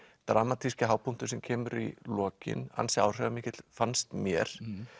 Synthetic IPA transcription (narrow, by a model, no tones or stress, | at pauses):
t̪ɾʔaːmat̪ʰiscaɦaːwpun̥t̪ʏɾsɛmcʰɛːmʏɾilɔːcɪ̰na̰nsɛaːwr̥ɛɣamɪːcɪt̪l̥fanst̪mjɛɾ̥